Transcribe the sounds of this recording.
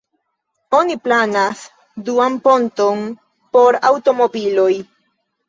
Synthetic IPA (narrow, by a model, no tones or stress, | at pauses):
o̞niplanas | duampo̞nton | po̞ɾawto̞mo̞bilo̞j